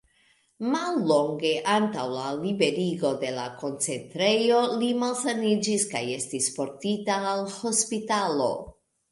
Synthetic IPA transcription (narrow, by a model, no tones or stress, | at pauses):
malːo̞ŋɡe̞ʔantawlalibe̞ɾiɡo̞de̞la̰ko̞nt͡se̞ntɾe̞jo̞limalsanid͡ʒiska̰je̞stispo̞ɾtitaːlho̞spitalo̞̰